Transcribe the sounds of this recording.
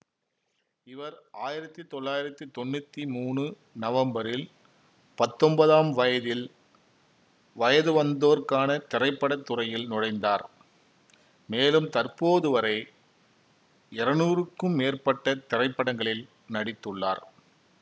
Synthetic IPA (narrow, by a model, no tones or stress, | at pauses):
ɪʋɐɾaːjɪɾɐt̪ːit̪ɔɭːaːjɪɾɐt̪ːɯt̪ɔnːɯt̪ːimuːɳɯ | nɐʋɐmbɐɾɪl | pɐt̪ːɔmbɐðaːmʋɐjɐðɪl | ʋɐjɐðɯʋɐnd̪oːɾkaːnɐt̪ɪɾɐɪpːɐɽɐt̪ːɯrɐjɪlnɔɽɐɪnd̪aːɾ | meːlɯmt̪ɐrpoːðɯʋɐɾɐɪ | ɪɾɐnuːrɯkːɯmːeːrpɐʈːɐt̪ɪrɐɪpːɐɽɐŋɡɐɭɪl | nɐɽɪt̪ːɯɭːa̰ːɾ